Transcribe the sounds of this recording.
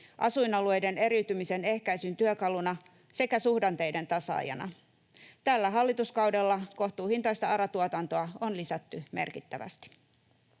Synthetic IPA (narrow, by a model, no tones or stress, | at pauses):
ʔɑsuinɑlue̞jde̞ne̞ɾiwt̪ymise̞ne̞hkæjsynt̪yøkɑlunɑ | se̞kæsuhdɑnt̪e̞jde̞nt̪ɑsɑ̰ːjɑ̰nɑ̰ | t̪ælːæɦɑlːit̪uskɑwdelːɑko̞ht̪uːhint̪ɑjst̪ɑɑɾɑt̪uot̪ɑnt̪oɑonlisæt̪ːyme̞̰rkit̪ːæʋæ̰st̪i̥